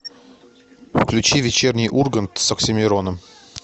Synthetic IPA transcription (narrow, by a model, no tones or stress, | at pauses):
fklʲʉt͡ɕivʲɪt͡ɕernʲɪjʔurɡənt̪səksʲɪmʲɪɾonəm